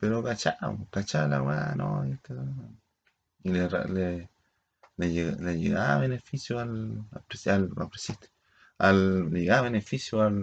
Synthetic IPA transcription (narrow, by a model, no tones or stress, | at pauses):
peɾokat͡ʃaʔwkat͡ʃalawanojet̪a | ileɾa̰le | ljlajḛɡaβenefisjoalapɾesala̰pɾesit̪ | alleɡaβenefisjoal